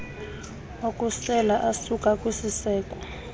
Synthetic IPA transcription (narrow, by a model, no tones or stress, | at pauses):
okʼusɛlaʔasukʼakʼwisisɛːkʼɔ̥